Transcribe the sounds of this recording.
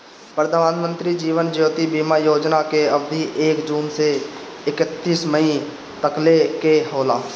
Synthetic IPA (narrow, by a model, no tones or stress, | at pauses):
pɾəd̪ʱəmaːd̪mə̃nt̪ɾid͡ʒiːʋənd͡ʒjoːt̪ibiːmajoːd͡ʒnakeəbd̪ʱiʔeːkd͡ʒuːmse | ɪkət̪ːiːsməĩ | t̪əklekeɦoːlaː